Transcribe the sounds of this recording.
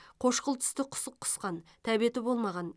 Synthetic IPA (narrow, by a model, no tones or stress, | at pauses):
qʰo̞ʃqəlˠt̪ʰʏ̥st̪ɪqʰʊ̥səqʰːʊ̥sqɑnt̪ʰæbije̞t̪ɪbo̞lˠmɑʁɑn